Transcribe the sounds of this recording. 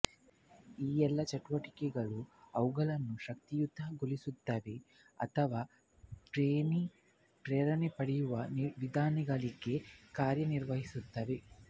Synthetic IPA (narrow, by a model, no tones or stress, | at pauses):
iːɛlːɐt͡ʃɐʈuʋɐʈi̥kɛɡɐɭuɐwuɡɐlɐnːuʃɐk̚t̪ijud̪ʱːɐɡolisud̪ːaːʋe | ɐ̰t̪ʰɐʋaː | ʈɾeːni | ʈɾeːɾɐnepɐɽijuʋɐniʋid̪ʱaːniɡaliɡe̞kaːɾjɐniɾʋɐɦisud̪ːaːʋe